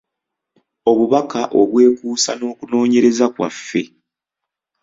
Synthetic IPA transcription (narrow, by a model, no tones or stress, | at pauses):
o̞βuβakaʔo̞βwe̞ːkuːsa̰no̞ːkuno̞ːɲe̞ɾe̞zakwa̰fːe̞